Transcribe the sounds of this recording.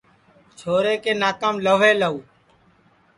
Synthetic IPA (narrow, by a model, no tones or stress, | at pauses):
t͡ʃʰoːɾeːkeːnaːkaːmləʋeːləuː